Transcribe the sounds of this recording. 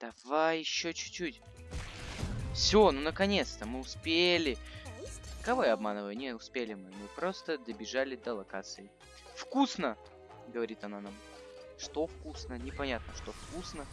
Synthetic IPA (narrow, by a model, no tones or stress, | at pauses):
d̪̥ɐvajɪɕːot͡ɕʉ̥t͡ɕːutʲ | fsʲonunəkɐnʲe̞t̪st̪əmɨʊspʲelʲɪ | kɐvojaɐbmanɨvəjʊnʲeʊspʲelʲɪmɨmɨpɾo̞st̪əd̪əbʲɪʐalʲɪd̪əlˠɐka̰t̪sɨɪ | fkusnə | ɡəvɐɾʲit̪ɐnanam | ʂt̪o̞fkusnənʲɪpɐnʲat̪̚nəʂt̪o̞fkusnə